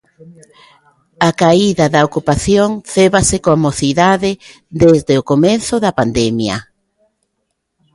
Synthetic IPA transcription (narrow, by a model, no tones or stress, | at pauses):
akaiðɐðɐokupaθjoŋθeβasɪkoamoθiðaðɪ | d̪ezðeʊkomeθʊðɐpand̪emjɐ